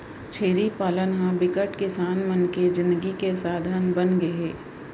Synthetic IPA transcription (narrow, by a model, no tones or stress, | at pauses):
t͡ʃʰeːɾipaːlənɦãbɪkəʈkɪsaːnmənked͡ʒɪ̃nd̪əɡikesaːd̪ʱaːnbənɡeɦɛː